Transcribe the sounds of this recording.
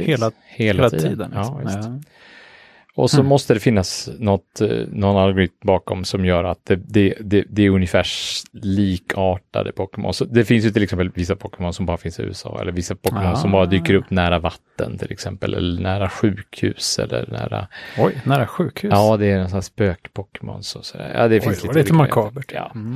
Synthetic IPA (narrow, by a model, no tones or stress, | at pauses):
heːla | heːlaiːd̪iːd̪ənɑːt | ɔsɔmɔst̪əd̪ɛfɪnːasnɔt̪nɔnːalɡʊɾɪt̪mbɑːkɔmsɔmjœːɾat̪̚d̪ɛd̪ɛd̪ɛd̪ɛæɾɵnjəfæːʂliːkʰɑːʈa̰d̪əpʰɔkːɛmɔ̰nsɔd̪ɛfɪns̬jəʏt̪ʰɪlɛksɛmpəlvɪsːapʰɔkəmɔnsɔmbɑːɾafɪnsɪʉ̟ːɛsɑ̰ːɛ̰lːəɾvɪsːapʰɔmɔnsɔmbɑːɾad̪yːkəɾɵpːnæːɾavat̪ːə̰nt̪ʰɪlʔɛksɛmpəlʔɛ̰lːəɳæːɾaɧʉ̟ːkhʉ̟ːsɛ̰lːə̰ɾnæ̰ːɾa̰ɔjnæːɾaɧʉːkhʉːɑːd̪ɛːnsspøːkpʰɔkɛmɔ̰nsɔsɔd̪æ̰ːɾjɑ̰ːd̪ɛfɪnsliːlit̪maɾkʰɑːbəjɑ̰ː